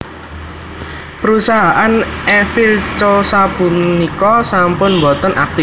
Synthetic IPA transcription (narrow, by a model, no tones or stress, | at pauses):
pəɾusaɦaʔanʔɛfilt͡ʃosab̥unikɔsampʊnmbɔt̪əna̰k̚t̪if